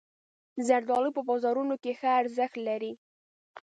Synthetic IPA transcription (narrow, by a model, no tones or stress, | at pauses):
zaɾd̪ɑlipəbɑzɑɾunokexəaɾzəxt̪laɾi